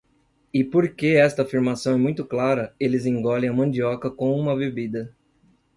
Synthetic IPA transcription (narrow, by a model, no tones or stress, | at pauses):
ɪpoɾkeɛst̪ɐafiɾmasɐ̃w̃ɛmũj̃t̪ʊklaɾɐelɪzĩŋɡɔlẽɐmɐ̃d͡ʒiɔkɐkõũmɐbebid̪ɐ